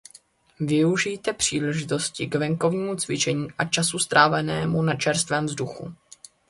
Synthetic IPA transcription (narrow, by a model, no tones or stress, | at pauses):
vɪuʒiːt̪ɛpr̥iːlɛʒɪt̪o̞scɪɡvɛŋko̞vɲiːmut͡svɪt͡ʃɛɲiːʔat͡ʃasust̪ɾʔaːvɛnɛːmunat͡ʃɛɾst̪vɛːmvzduxṵ